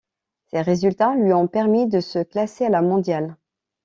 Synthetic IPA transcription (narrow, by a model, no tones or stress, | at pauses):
seʁezylt̪alɥiɔ̃pɛʁmid̪əsəklasealamɔ̃d̪jal